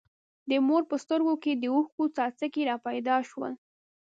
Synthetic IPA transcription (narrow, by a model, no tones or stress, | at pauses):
d̪əmoɾpəst̪əɾɡoked̪əuxkot͡sɑt͡səkeɾɑpajd̪ɑʃwə̰l